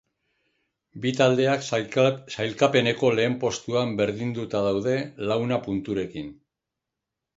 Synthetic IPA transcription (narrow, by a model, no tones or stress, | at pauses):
bit̪ald̪e̞aksajlkape̞ne̞ko̞le̞ːmpo̞st̪uambe̞ɾðind̪ut̪aðawð̞e̞lawnapunt̪uɾe̞kin